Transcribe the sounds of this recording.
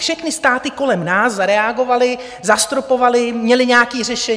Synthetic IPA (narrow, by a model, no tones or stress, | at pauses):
fʃɛxnɪst̪aːt̪ɪko̞lɛmnaːszaɾɛaɡo̞valɪ | zast̪ɾopo̞valɪmɲɛlɪɲɛakiːr̝ɛʃɛ